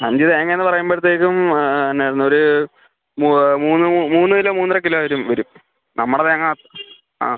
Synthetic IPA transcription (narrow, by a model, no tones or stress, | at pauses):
ɐɲd͡ʑiðeeŋːɐeɐnːɨpɐrɐjumbeɽt̪ːeːkːumɐnːeɾnːoɾu | mumuːnːɨmuːnːɨilomuːnːrɐkiloːʋɐɾumʋɐɾum | nɐmːuɽɐðeɐŋːɐt̪ː | a̰ː